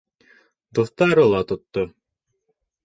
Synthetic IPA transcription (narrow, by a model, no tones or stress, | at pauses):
d̪uθt̪ɑɾɤlˠɑt̪ŏt̪ːo